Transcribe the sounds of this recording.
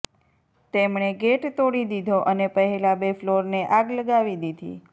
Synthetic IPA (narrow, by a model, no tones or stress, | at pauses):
t̪emɳeɡeʈt̪oɽid̪id̪ʱoʔənepəɦɛlabefloɾneʔaɡləɡaʋid̪id̪ʱḭ